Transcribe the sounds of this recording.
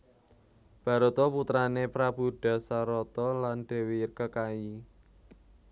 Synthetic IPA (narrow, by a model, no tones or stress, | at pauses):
b̥a̤ɾut̪ɔput̪ɾanepɾab̥uɖ̥a̤saɾɔt̪ɔlanɖ̪̥e̤werkəkai